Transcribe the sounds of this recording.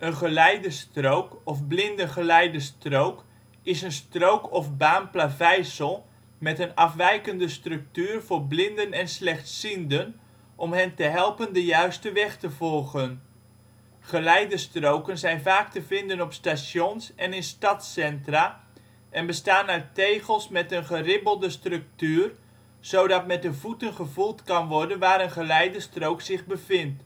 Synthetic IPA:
ənχəlɛjdəstrowkɔfblɪndəχəlɛjdəstrowk | ɪsənstrowkɔfbaːnplavɛjsəlˠ | mɛtənɑfʋɛjkəndəstrɵk̚tyːrvʊːrblɪndənɛnslɛχtsindən | ʔɔmɦɛntəɦɛlˠpəndəjœɥstəʋɛχtəvɔlˠχən | χəlɛjdəstrowkənzɛjnvaːktəvɪndənɔpstasjɔnsɛnɪnstɑtsɛntra | ʔɛnbəstaːnœɥtejχəlˠsmɛtənχərɪbəlˠdəstrɵk̚tyːr | z̥owdɑtmɛt̚dəvutənχəvulˠtkɑnʋɔrdənʋaːɾənχəlɛjdəstrowksɪχbəvɪnt

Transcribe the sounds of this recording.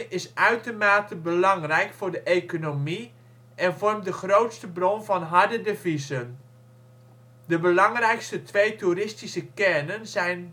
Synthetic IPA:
ɪsœɥtomaːtəbəlɑŋrɛjkfʊːrdəʔejkonomi | ʔɛnvɔrmdəχrowtstəbronvɑnɦardədəvizən | dəbəlɑŋrɛjkstətʋejturɪstisəkɛnənzɛjn

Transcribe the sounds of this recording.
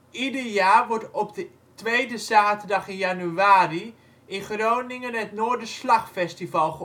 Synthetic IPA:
idərjaːrʋɔɹtɔpdə | tʋejdəzaːtərdɑχɪnjanyaːri | ʔɪnχrownɪŋənɛtnoːɹdəslaχfɛstivalˠχə

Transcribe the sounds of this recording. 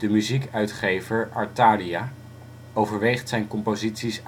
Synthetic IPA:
dəmyzikœɥtχejvəɹɑɹtaːria | owvəɹʋejχtsɛjnkɔmpozitsis

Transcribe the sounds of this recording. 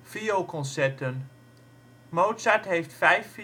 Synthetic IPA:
fiokɔ̃nsɛtən | mowtsatɦejftfɛjf

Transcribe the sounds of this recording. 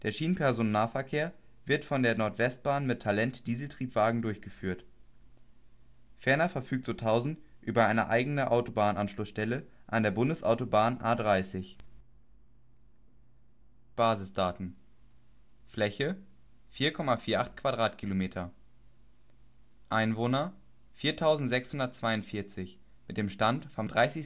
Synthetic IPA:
d̥eːɐʃiːnən̩pʰɛɐzoːnːaːɐfɛɐkʰeːɐ | vɪɐtfɔndeːɐnɔɐtv̥ɛst̚b̥aːnmɪtʰːalɛntd̥iːzl̩tʁ̥iːpv̥aːɡŋ̩dʊɐçɡ̥əfyːɐt | fɛɐnɐfɛɐfyːk̚tz̥oːtʰaʊzn̩tʔyːbɐʔaɪnəʔa̰ɪɡənəʔaʊtobaːnənʔanʃlʊsʃtɛləʔandeːɐbʊndəsʔa̰ʊtobaːnʔaːdʁaɪsɪç | b̥aːzɪsd̥aːtn̩ | flɛçə | fiːɐkʰɔmafiːɐʔaχtkv̥adʁaːtkʰilomeːtʰɐ | ʔaɪnvoːnɐ | fiːɐtʰaʊzn̩tz̥ɛkshʊndɐtt͡sv̥aɪʊntfiɐt͡sɪç | mɪt̚d̥eːmʃtantfɔmdʁaɪsɪç

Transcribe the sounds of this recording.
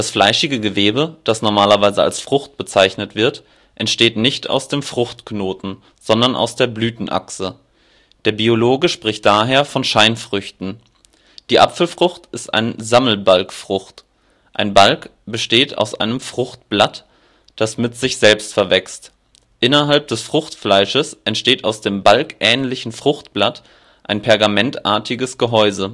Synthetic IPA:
d̥asflaɪʃɪɡəɡəveːbəd̥asnɔɐmaːlɐvaɪzəa̰lsfʁ̥ʊχt̚b̥ət͡saɪçnətv̥ɪɐt | ʔɛntʃteːtnɪçta̰ʊsd̥eːmfʁ̥ʊxtknoːtn̩ | z̥ɔndɐnʔa̰ʊsd̥eːɐblyːtn̩ʔa̰ksə | d̥eːɐbioloːɡəʃpʁ̥ɪçt̚d̥aːɦeːɐfɔnʃaɪnfʁ̥ʏçtn̩ | d̥iːʔa̰pfl̩fʁ̥ʊxtɪstʔa̰ɪnəzaml̩balkfʁ̥ʊxt | ʔaɪnbalkb̥əʃteːta̰ʊsʔaɪnəmfʁ̥ʊχtb̥lat | d̥asmɪtz̥ɪçz̥ɛlpstfɛɐvɛkst | ʔɪnɐɦalp̚d̥ɛsfʁ̥ʊxtflaɪʃəsʔɛntʃteːtaʊsd̥eːmbalkʔɛːnlɪçn̩fʁ̥ʊxtb̥lat | ʔaɪnpʰɛɐɡamɛntʔa̰ːɐtʰɪɡəsɡ̥əɦɔʏzə

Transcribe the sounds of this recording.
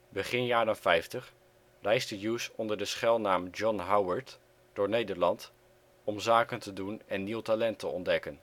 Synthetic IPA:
bəχɪnjaːɾənfɛjftəχ | rɛjstəjuːsɔndəɹdəsχɛlˠnaːmd͡ʒɔnɦawəɹt | d̥ʊːɹnejdəɹlɑnt | ɔmzaːkəntədunɛnːiwtalɛntəɔ̰ndɛkən

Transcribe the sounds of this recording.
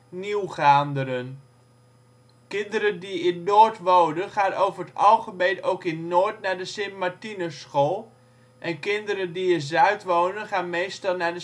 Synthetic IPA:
niwχaːndəɾən | kɪndəɾəndiɪnːoːɹtʋownənχaːnʔowvərətɑwˠχəbedowkɪnːoːɹtnaɹdəsɪmpmaɹtinəsχoːlˠ | ʔɛnkɪndəɾəndiɪnzœɥtʋownənχaːnmejstɑlˠnaɹdə

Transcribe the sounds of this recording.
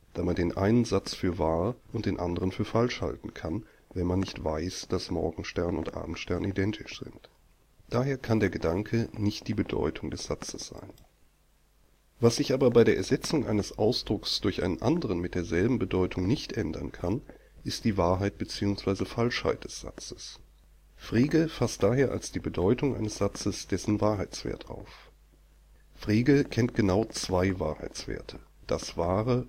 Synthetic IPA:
d̥aːmandeːnʔa̰ɪnənzat͡sfyːɐvaːɐʔʊntd̥eːnʔandəʁ̞ənfyːɐfalʃha̰ltn̩kʰan | vɛnmanːɪçtv̥aɪsd̥asmɔ̰ɐɡŋ̩ʃtɛɐnʊ̰ntʔa̰ːbm̩tʃtɛɐnidɛntʰɪʃz̥ɪ̰nt | d̥aːɦeːɐkʰandeːɐɡədaŋkʰənɪçt̚d̥iːbədɔ̰ʏtʰʊŋdɛsz̥at͡səsz̥a̰ɪn | vasz̥ɪçʔaːbɐbaɪɾeːɐʔɛɐzɛt͡sʊŋʔa̰ɪnəsʔaʊsd̥ʁʊksd̥ʊɐçʔa̰ɪnənʔa̰ndəʁənmɪt̚d̥eːɐzɛlbm̩bədɔʏtʰʊŋnɪçtʔɛndɐ̰nkʰan | ʔɪstd̥iːvaːɐɦaɪt̚b̥ət͡siːʊŋsv̥aɪzəfalʃha̰ɪt̚d̥ɛsz̥a̰t͡sə̥s | fʁ̥iːɡəfast̚d̥aːɦeːɐʔa̰lsd̥iːbədɔʏtʰʊŋʔa̰ɪnəsz̥at͡səsd̥ɛsn̩vaːɐɦaɪt͡sv̥ḛːɐtʰʔa̰ʊf | fʁeːɡəkʰɛnt̚ɡ̥ənaʊt͡sv̥aɪva̰ːɐha̰ɪt͡sv̥ḛːɐtʰə̥d̥asv̥aːʁə

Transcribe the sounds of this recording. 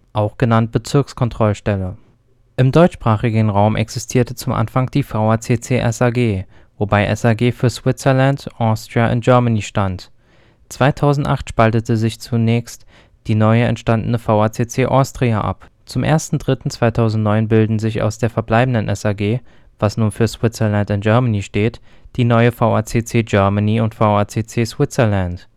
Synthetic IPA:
ʔaʊxɡ̥ənant̚b̥ət͡sɪɐkskʰɔntʁ̥ɔlʃtɛlə | ʔɪmdɔʏtʃpʁ̥aːχɪɡənʁaʊmʔɛ̰ksɪstʰiːɐtət͡sʊmʔa̰nfaŋd̥iːfaʊaɐt͡seːt͡seːʔɛsaɡeː | vobaɪʔɛ̰saːɡeːfyːɐzv̥ɪt͡səɐlantʔɔstʁ̥iaʔʊ̰nt̚ʒ̥œɐmaniːʃtant | t͡sv̥aɪtʰaʊzn̩tʔaχtʃpaltətəzɪçt͡sunɛːçst | d̥iːnɔʏəɛ̰ntʃtandənəfaʊaːt͡seːt͡seːʔɔːstʁ̥iaʔa̰p | t͡sʊmʔḛːɐstn̩dʁɪtn̩t͡sv̥aɪtʰaʊzn̩tnɔʏnbɪldn̩zɪça̰ʊsd̥eːɐfɛɐblaɪbn̩dənʔɛsaːɡeː | v̥asnuːnfyːɐsw̥ɪt͡səɐlantɪnʒœɐmaniːʃteːtd̥iːnɔʏəfaʊʔaːt͡seːt͡seːd͡ʒœɐmaniːʊntfaʊaːt͡seːt͡seːsw̥ɪt͡sɛlant

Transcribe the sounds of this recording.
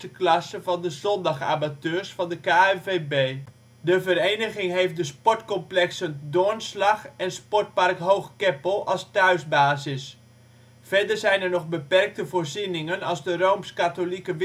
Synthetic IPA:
əklɑsəvɑndəzɔndɑxa̰matøːrsfɑndəkaɛveːbeː | dəvəɾejnəɣɪŋɦejft̚dəspɔɹtkɔmplɛksəndoənslɑxɛnspɔrt̚parkɦowxkɛpəlˠɑlˠstœɥzbaːzɪs | fɛɹdərzɛjnɛrnɔχbəpɛrk̚təvoːrzinɪŋənɑlˠzdəroːmskatolikəʋ

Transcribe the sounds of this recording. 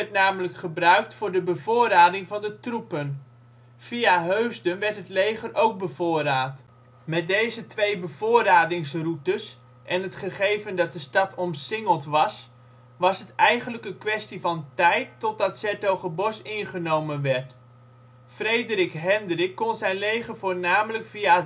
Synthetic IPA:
ɛt̚naːmələkχəbrœɥk̚tfʊːɹdəbəvoːɾaːdɪŋvɑndətrupən | v̥iaɦøɥzdənʋɛɹtɦətlejχərowk̚bəvʊːraːt | mɛt̚dejzətʋejbəv̥ʊːraːdɪŋsrutəs | ʔɛnɦətχəχejvəndɑt̚dəstɑtɔmsɪŋəlˠtʋɑs | ʋɑsɦətɛjχənləkənkʋɛstivɑntɛjtːɔt̚dɑtsɛtowχəbɔsɪnχənowmənʋɛɹt | frejdərɪkɦɛndrɪkːɔnzɛjnlejχəvʊːɹnaːmələkfia

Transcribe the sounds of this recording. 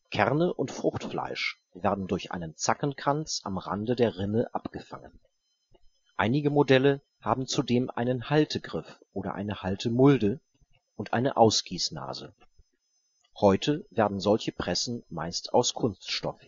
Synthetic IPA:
kʰɛʁnəʔʊntfʁ̥ʊxtfla̰ɪʃ | v̥eːɐdn̩dʊɐçʔa̰ɪnənt͡sakənkʁ̥ant͡sʔa̰mʁa̰ndədeːɐʁɪnəʔapɡ̥əfa̰ŋən | ʔaɪnɪɡəmodɛlə | haːbm̩t͡sudeːmʔa̰ɪnənhaltʰəɡʁɪfʔoːɾɐ̰ʔa̰ɪnəhaltʰəmʊldə | ʔʊntʔa̰ɪnəʔaʊsɡ̥iːsna̰ːzə | hɔʏtʰəveːɐdn̩zɔlçəpʁ̥ɛsn̩ma̰ɪstʰaʊskʰʊnstʃtɔ̰f

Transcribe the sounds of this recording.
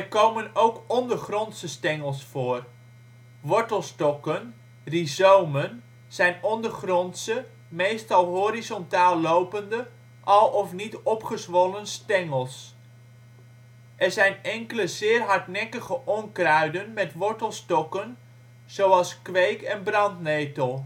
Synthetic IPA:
ɛrkowmənowkɔndəɹχrɔntsəstɛŋəlˠsfʊːr | ʋɔɹtəlˠstɔkən | rizowmən | z̥ɛjnɔndəχrɔntsə | mejstɑlˠɦoɾizɔntaːlˠːowpəndə | ʔɑlˠɔfnitɔpχəsʋɔlənstɛŋəlˠs | ʔɛɹzɛjnɛŋkələzɪːrɦɑɹtnɛkəχəʔɔŋkrœɥdənmɛtʋɔɹtəlˠstɔkən | z̥owɑlˠskʋejkɛnbrɑntnejtəlˠ

